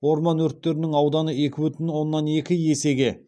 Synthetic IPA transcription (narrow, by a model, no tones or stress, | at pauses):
wo̞ɾmɑnwɵɾt̪ːe̞ɾɪnɪŋɑwd̪ɑnəe̞kʲɪwʏt̪ɪnwo̞nːɑne̞kʲɪje̞se̞ɡʲe̞